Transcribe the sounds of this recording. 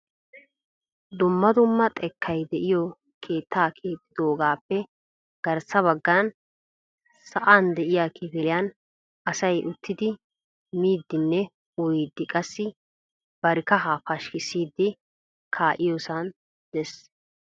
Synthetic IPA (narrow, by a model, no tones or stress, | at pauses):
d̪ʊmːɐd̪ʊmːɐt̪ʼɛkʰːɐjd̪ɛʔɪjɔ | kʰe̞ːt̪ʰːaːkʰeːt̪ːɪd̪oːɡaːpːɛ | ɡ̥ɐɾsɐβɐɡːɐn | sɐʔaːnd̪ɛʔɪjaːkɪfɪlɪjaːn | ɐsɐjʔʊt̪ːɪd̪ɪ | miːd̪ːɪnːɛ | ɔjɪd̪ːɪkʼɐsːɪ | b̥ɐɾɪkɐɦaːfɐʃkɪsiːd̪ːɪ | kʰaːʔɪjoːsɐn | d̪ɛs